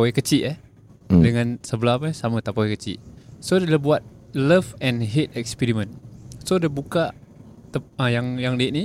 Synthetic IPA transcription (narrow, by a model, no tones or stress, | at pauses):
oekət͡ʃiʔə | dəŋãnsəbəlapəsamə̃t̪apowekət͡ʃḭʔsodeləbuat̪̚ | ləvɛ̃nɦet̪̚ɛkspiɾimə̃nsodəbukaʔt̪əəjaŋjaŋdeʔ̚ni